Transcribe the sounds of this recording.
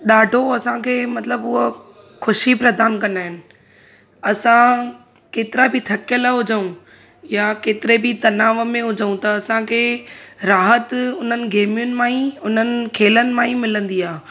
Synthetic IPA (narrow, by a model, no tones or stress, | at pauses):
ɗaːɖʱoɐsãkʰeːmɐt̪ləbʊɦə | xʊʃipɾɐd̪aːnkɐnaːɦɪnɪ̆ | ɐsã | keːt̪ɪɾabɪt̪ʰɐkjəlaɦʊd͡ʑəũ | jakeːt̪ɪɾebɪt̪ɐnaːʋəmẽɦʊd͡ʑəũt̪ɐːsãkʰeːɾaːɦət̪ʊn̤ənɪ̆ɡʱeːmijʊnɪ̆mãːĩʊn̤ənɪ̆kʰeːlənɪ̆mãːĩmɪlə̃nd̪iaː